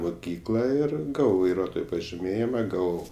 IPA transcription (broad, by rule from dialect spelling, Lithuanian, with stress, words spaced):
mʊˈkʲiːklˠɐ ˈɪr ˈɡɑːʋɐʊ ʋɐɪˈruɔtoːjoː pɐʒʲɪˈmʲeːjɪmɐ ˈɡɑːʋɐʊ